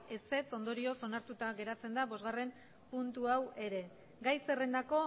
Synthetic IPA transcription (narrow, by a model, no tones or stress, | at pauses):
e̞se̞t͡so̞nd̪o̞ɾio̞so̞naɾt̪ut̪aɣe̞ɾat͡se̞nd̪aβo̞zɣare̞m | punt̪uawe̞ɾe̞ | ɡajse̞re̞nd̪ako̞